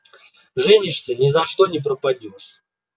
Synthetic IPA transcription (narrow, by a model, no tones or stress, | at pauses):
ʐɛnʲɪʂsʲɐnʲɪzɐʂt̪onʲɪp̬ɾəpɐdʲoʂ